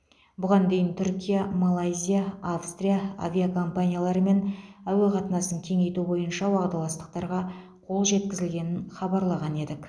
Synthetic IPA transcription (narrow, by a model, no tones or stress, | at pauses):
bʊʁɑnd̪e̞jɪnt̪ʰʏɾkʲijamalˠajzʲijaafst̪rʲijaa̰vʲiakʰo̞mpanʲijalˠɑɾəme̞næweqʰɑt̪ənɑsəŋkʲʰeŋe̞jt̪ubo̞jənʃɑwɑʁd̪ɑlˠɑst̪ə̥q̚t̪ɑɾʁɑ | qʰo̞lˠʒe̞t̪̚kʲɪzɪlɡʲe̞nɪnχɑbɑɾlˠɑʁɑne̞d̪ɪk